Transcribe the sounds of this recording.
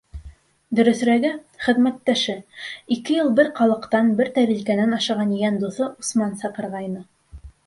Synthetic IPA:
d̪ɵ̆ɾɵ̆θɾæɡɘχɘ̆ðmæt̪ːæʃɘikɘjɤlˠbɘɾqɑlˠɤ̆qt̪ɑnbɘɾt̪æɾilkænænɑʃɑʁɑnijænd̪uθɤʔusmɑnsɑqɤ̆ɾʁɑjnɤ

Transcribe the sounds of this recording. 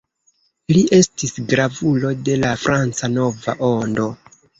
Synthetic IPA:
liʔe̞stisɡɾavulo̞de̞lafɾant͡sano̞va̰ʔo̞ndo̞

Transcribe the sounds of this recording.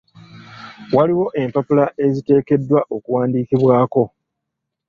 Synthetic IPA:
waliwo̞ʔe̞mpapulaʔe̞zite̞ːke̞dːwaʔo̞kuwaːndiːkiβwaːko̞

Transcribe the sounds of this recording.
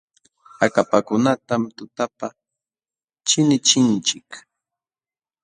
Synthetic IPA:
akapakʊnat̪amt̪ʊt̪apa | t͡ʃɪnɪt͡ʃɪnt͡ʃɪk

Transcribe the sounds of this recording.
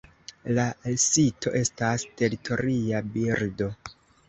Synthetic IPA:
lasito̞̰ʔe̞staste̞ɾitʰo̞ɾiabiɾdo̞

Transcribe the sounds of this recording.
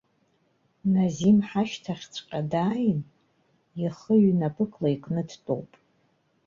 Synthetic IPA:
nazimħaʃtʰaχʲt͡sʷʰʼqʲʼadaːjn | iχəɥnapʰʼɨkʼʰlaikʼnɨdʰtʼo̰wpʼ

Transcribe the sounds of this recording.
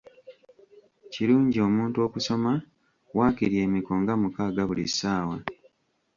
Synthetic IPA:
ciɾuːɲɟio̞ːmuːntuo̞ːkuso̞ma | waːkiɾje̞ːmiko̞ŋɡamukaːɡaβulḭsːaːwa

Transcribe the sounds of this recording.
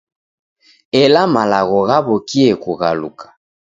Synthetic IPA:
elamalaɣɔɣabokiɛkuɣalṵkʰḁ

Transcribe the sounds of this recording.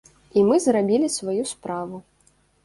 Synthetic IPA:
imɨzɾabʲilʲisvajuspɾavu

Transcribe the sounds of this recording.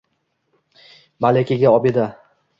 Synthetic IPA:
malekʲaɡʲaɒbed̪a

